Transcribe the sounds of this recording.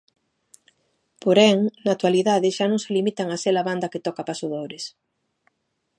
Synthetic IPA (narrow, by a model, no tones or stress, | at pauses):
poɾɛŋnat̪waliðaðɪʃanõŋselimit̪aŋasɛlaβand̪ɐket̪ɔkapasoðoɾɪs